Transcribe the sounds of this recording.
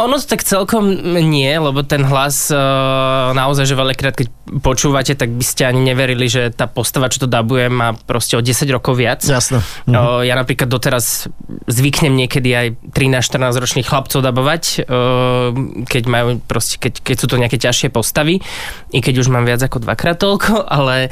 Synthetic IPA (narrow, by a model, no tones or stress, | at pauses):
ɔnɔt̪ɔ̥t̪akt͡sɛlkɔmɲɪɛlɛbɔt̪ɛnɦlas | naɔzajʒɛʋɛʎakɾaːt̪̚kɛc | pɔt͡ʃuːʋacɛt̪aɡ̚biscɛaɲiɲɛʋɛɾiliʒɛt̪aːpɔst̪aʋat͡ʃɔ̥t̪ɔd̪abujɛmaːpɾɔscɛɔɟɛsaɟɾɔkɔʊʋɪat͡sjasnɛjaːnapɾiːklad̪ːɔt̪ɛɾazzʋikɲɛmɲɪɛkɛd̪iajt̪ɾinaːsʃt̪rnaːzɾɔt͡ʃniːxxlap̚t͡sɔʊd̪abɔʋacː | kɛɟmajuːpɾɔscɛ̥kɛckɛcsuːt̪ɔɲɛakɛcaʃɪɛpɔst̪aʋi | ikɛɟuʒmaːmʋɪad͡zakɔd̪ʋa̰kɾaːt̪̚t̪ɔlkʰɔʔalɛ